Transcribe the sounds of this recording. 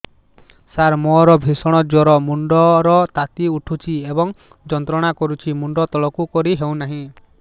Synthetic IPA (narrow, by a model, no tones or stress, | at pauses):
saɾmɔɾɔbʱisɔɽ̃ɔd͡ʒɔɾɔmuɳɖɔɾɔt̪at̪iuʈʰut͡ʃʰiebɔŋ | d͡ʒɔnt̪ɾɔɽ̃akɔɾut͡ʃʰimuɳɖɔt̪ɔɭɔkukɔɾiɦew̃naɦĩ